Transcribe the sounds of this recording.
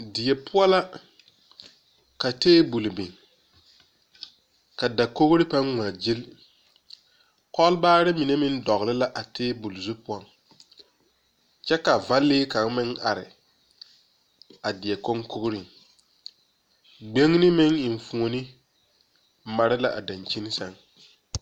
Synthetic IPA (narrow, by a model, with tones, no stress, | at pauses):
dɪ˨ɛ˨pʊ˦ɔ˦la˦ | ka˨teː˦bu˨lbɪ˨ŋ | ka˨da˨ko˦ɣɾɪ˦pa˦ŋŋʷ˨a˨d͡ʒi˦l | kɔ˦lbaː˦ɾɪ˦mi˨ne˦mɪ˦n˦dɔ˨ɣlɪ˦la˦ʔa˨teː˦bu˨lzu˦pʊ˦ɔ˦˨ŋ | t͡ʃɛ˦ka˨va˦lːɪː˦ka˨ŋ˦mɪ˦ŋʔa˨ɾɪ̰˨ | a˨dɪ˨ɛ˨ko˦ŋko˦ɣɾɪ˨ŋ | ɡ͡be˦ŋnɪ˦mɪ˦ŋɪ˨ɱ˨fũ˨o˨nɪ˦ | ma˨ɾɪ˦la˦ʔa̰˨da˨nt͡ʃi˦n˦sa˦ŋ